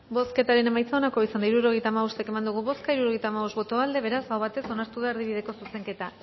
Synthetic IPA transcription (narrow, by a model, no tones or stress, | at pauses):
bo̞ske̞t̪aɾe̞ne̞majt͡sao̞nako̞isand̪aiɾuɾo̞ɣ̞ejt̪aːmaost̪e̞ke̞mand̪uɣ̞uβo̞skaiɾuɾo̞ɣ̞ejt̪aːmaβo̞sβo̞t̪o̞ald̪e̞βe̞ɾasawβ̞at̪e̞so̞naɾt̪uðaeɾðiβið̞e̞ko̞suse̞ŋke̞t̪a